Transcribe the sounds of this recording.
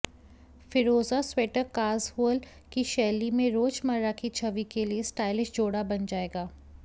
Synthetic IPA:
fɪɾoːzasweːʈəɾkaːzhuːəl | kiʃɛːlimẽɾoːt͡ʃməɾakit͡ʃʰɐʋikeliesʈaːɪlɪʃd͡ʒoːɽabɐnd͡ʒaːeːɡaː

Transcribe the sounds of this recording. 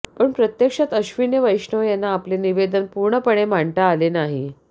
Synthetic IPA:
pəɳpɾət̪jəkʂat̪əɕʋinjəʋəjɕɳəʋjanːaːpleniʋed̪ənpuɾɳəpəɳ̃emaɳʈaːlenaɦi

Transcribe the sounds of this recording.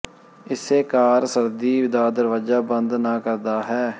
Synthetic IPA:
ɪseːkaːɾsəɾd̪iːʋɪd̪aːd̪əɾʋaːd͡ʒaːbənd̪nãːkəɾd̪aːɦɛː

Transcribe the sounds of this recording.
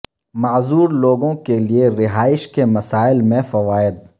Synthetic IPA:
mɐːzuːɾloːɡõkelieɾɪɦaːɪʃkemɐsaːɪlmẽfɐʋaːɪd̪

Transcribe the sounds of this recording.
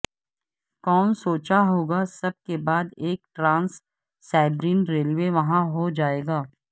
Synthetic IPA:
kɔːnsoːt͡ʃaɦoːɡasɐb̚kebaːd̪eːk̚ʈɾãːnsː | aːɪbɾiːnɾeːlʋeʋɐɦãɦod͡ʒaːeːɡaː

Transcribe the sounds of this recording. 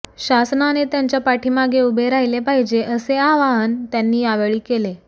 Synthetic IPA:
ɕasnanet̪jaɲt͡ɕjapaʈʰiːmaɡeubʱeɾaɦilepaɦid͡ʑeʔəseaʋaɦənt̪janːiːaʋeɭiːkele

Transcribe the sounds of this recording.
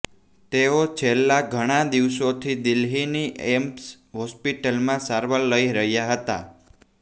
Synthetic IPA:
t̪eot͡ʃʰelːaɡʱəɽ̃ad̪iʋʃot̪ʰid̪ɪlɦiniemps | ɦɔspiʈəlmãsaɾʋəlːəiɾəɦjaɦət̪a

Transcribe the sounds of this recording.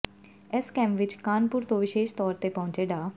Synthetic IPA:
ɛskɛ̃ːmpʋɪt͡ʃkaːnpʊːɾt̪õːʋɪʃeːʃt̪ɔːɾt̪eːpɔ̃ːɲt͡ʃeːɖaː

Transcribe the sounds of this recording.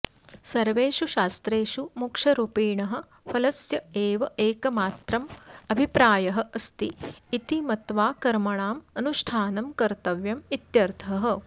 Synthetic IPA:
sɐɾʋeːʃuʃaːst̪ɾeːʃumukʂɐɾupiːɳɐɦɐ̆ | pʰɐlɐsjɐeːʋɐeːkɐmaːt̪ɾɐmɐbʱipɾaːjɐɦɐ̆ʔɐst̪iːt̪imɐt̪ʋaːkɐɾmɐɳaːmɐnuʃʈʰaːnɐmkɐɾt̪ɐʋjɐmit̪jɐɾt̪ʰɐɦɐ̆

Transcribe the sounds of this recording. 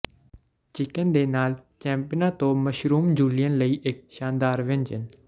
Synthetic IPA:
t͡ʃɪkənd̪eːnaːlt͡ʃɛ̃ːmpɪjənãt̪oːməʃɾuːmd͡ʒuːlɪjənləiːʔɪk̚ʃaːnd̪aːɾʋɪ̃nd͡ʒən

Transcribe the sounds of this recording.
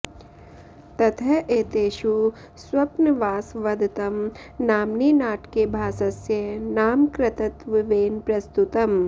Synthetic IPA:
t̪ɐt̪ʰɐʔeːt̪eːʃu | sʋɐpnəʋaːsʋɐd̪ʱt̪ɐm | naːmniːnaːʈkebʱaːsɐsjɐnaːmkɾɪt̪ɐt̪ʋɪʋeːnpɾɐst̪ut̪ɐm

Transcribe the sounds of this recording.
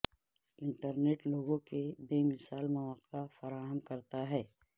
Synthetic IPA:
ɪ̃ɳʈəɾneːʈloːɡõkebeːmɪsaːlmɐʋaːqafɐɾaːɦəmkɐɾt̪aɦɛː

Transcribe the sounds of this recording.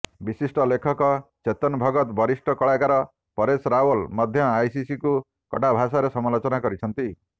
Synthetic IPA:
bisisʈɔlekʰɔkɔt͡ʃet̪ɔnbʱɔɡɔt̪bɔɾisʈɔkɔɭaɡaɾɔ | pɔɾesɾaolmɔd̪ʱjɔajsisiku | kɔ̰ʈabʱasaɾesɔmalot͡ʃɔnakɔɾit͡ʃʰɔnt̪i

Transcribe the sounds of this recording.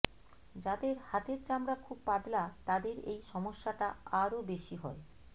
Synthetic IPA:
d͡ʑad̪eɾhat̪eɾt͡ɕamɾakʰub̚pab̪lat̪ad̪eɾejʃɔmoʃːaʈaaɾobeʃiɦɔ̰e

